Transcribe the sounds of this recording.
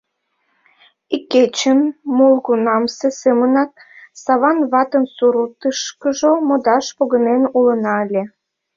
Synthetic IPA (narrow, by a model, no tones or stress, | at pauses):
ikːet͡ɕənmolˠɣunɑmsesemənɑt̪̚sɑβɑnβɑt̪ənsuɾut̪əʃkəʒomod̪ɑʃpoɣənenulənɑəlʲe